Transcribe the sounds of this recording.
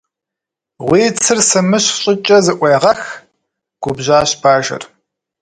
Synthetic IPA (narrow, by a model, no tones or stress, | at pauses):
ʁʷiːt͡sʰɨrsɨmɨɕɕʼɪt͡ʃʼɐzɨʔʷeːʁɐx | ɡ̥ʷʊbʑaːɕbaːʒɐ̰r